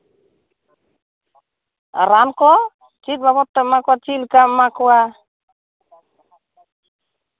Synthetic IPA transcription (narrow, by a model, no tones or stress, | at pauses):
ɾankɔ | t͡ʃil̚baβɔt̪ːɛmakwat͡ʃilkamakwa